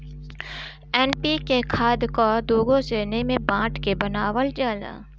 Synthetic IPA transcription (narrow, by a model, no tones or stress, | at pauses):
ɛːnpikekʰaːd̪kod̪oːɡõseːnemẽbãːʈʰkebɐnaːwəld͡ʒaːla̰ː